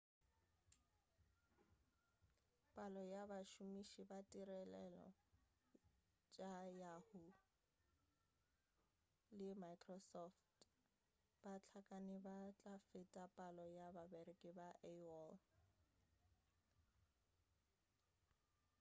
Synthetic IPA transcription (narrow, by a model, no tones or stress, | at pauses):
pʼalɔjabaʃumiʃibatʼirɛlɛlɔ̰ | t͡ʃʼajahʊ | lɪmaikʰʼrɔsɔft | bat͡ɬʰakʼanɪbat͡ɬʼafetʼapʼalɔjababerɪkʼɪbaʔɛwɔl